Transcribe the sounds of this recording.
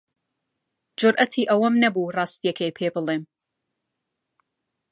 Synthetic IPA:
d͡ʒʊɾʔɐt̪ʰiːʔɐwɐmnɐbuːrˤɑːst̪ijɛkʰejpʰeːbɨlˠeːm

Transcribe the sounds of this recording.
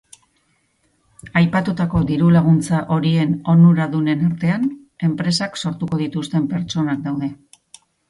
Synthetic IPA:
ajpat̪ut̪ako̞ðiɾulaɣ̞unt͡saʔo̞ɾie̞no̞nuɾaðune̞naɾt̪e̞an | e̞mpɾe̞sakso̞ɾt̪uko̞ð̞it̪ust̪e̞mpe̞ɾt͡ʃo̞nak̚d̪awðe̞

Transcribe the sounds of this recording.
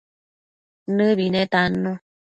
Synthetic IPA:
nɨβinɛt̪anũ

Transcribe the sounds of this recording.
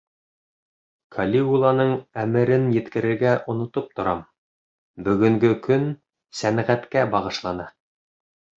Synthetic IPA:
kʰalʲiulˠɑnɤɴæmɘ̆ɾɘnjɘ̆t̪kɘ̆ɾɘ̆ɾɡæʔŏnŏt̪op̚t̪ŏɾɑm | bɵ̆ɡɵ̆ŋɡɵkɵn | sænʁæt̪kæbɑʁɤ̆ʃlˠɑnɑ

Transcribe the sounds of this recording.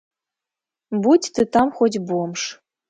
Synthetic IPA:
butʲt̪ɨt̪ɑmxot̬ʲbuəmʂ

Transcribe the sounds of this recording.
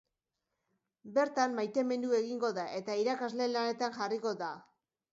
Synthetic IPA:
be̞ɾt̪amːajt̪e̞me̞nd̪ue̞ɣiŋɡo̞ðaʔe̞t̪aiɾakazle̞lane̞t̪aŋʝariko̞ða

